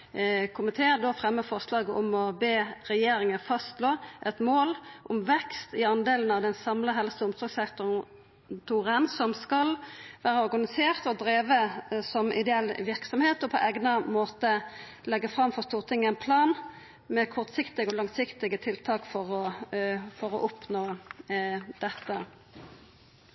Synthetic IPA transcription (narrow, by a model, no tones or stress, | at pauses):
kʰʊmɪt̪ʰeːəd̪ofʁɛmːəfɔʁʂlɑːɡəʔʊmɔbeːɾɛjeːɾɪŋəfɑst̪loːʔɛt̪moːlʔʊmʋɛkst̪ɪɑnd̪eːlənɑʋd̪ɛnsɑmləɦɛlsəʊmsɔɡsɛkt̪ʊ | t̪ʰuːʁənsɔmskɑlʋæːʁəɔɾɡɑnɪseːʁt̪ɔd̪ɾeːʋəsɔmʔɪ̰d̪ɛɛlːʋɪʁksɔmheːt̪ɔpʰɔʔeːɡnəmoːt̪ə | lɛɡːəfʁɑmfɔʁst̪uːʁt̪ʰɪŋːəɛnpʰlɑːn | mɛkʰɔʁt̪sɪkt̪ɪɡɔlɑŋsɪkt̪ɪɡət̪ʰɪlt̪ʰɑːkfɔʁɔ | fɔʁɔʔʊpnoː | d̪̥ɛt̪ːə